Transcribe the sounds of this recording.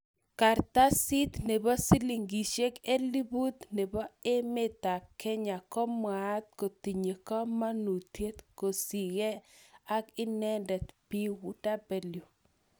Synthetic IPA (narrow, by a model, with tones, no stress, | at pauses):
ka˨ɾt̪a˦si˦t̪ne˨bɔ˦si˦li˨ŋɡi˨ʃe˦ke˦li˦bu˦t̪ne˨bɔ˦e˦me˦t̪a˨kɛ˦ɲa˨kɔ˦mwa˨˦t̪̚ko˨ti˨ɲe˨kɔ˦ma˦nu˨t̪je˦t̪ko˨si˨ɣɛ˦a˦kɪ˦nɛ˦ndɛ˨t̪pi˦wu˨da˦be˨ljo˨